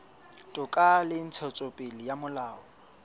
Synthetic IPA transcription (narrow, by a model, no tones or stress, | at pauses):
tʼʊkʼalɪn̩t͡sʰɔt͡sʼɔpʼɪlɪjamʊlaːɔ